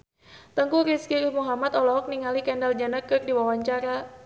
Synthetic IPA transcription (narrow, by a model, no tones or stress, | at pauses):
t̪əŋkuɾiskiɾhmuɦamat̪ɔlɔɦɔk̚niŋalikɛndald͡ʒanakɨrdiwawaɲt͡ʃaɾa